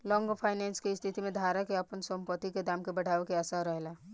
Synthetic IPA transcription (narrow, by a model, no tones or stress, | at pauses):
lɔ̃ŋɡpʰajnɛnskeɪst̪ʰit̪imed̪ʱaɾakeəpənsə̃mpət̪iked̪amkebəɽ̤ʱaekeəsaɾəɦela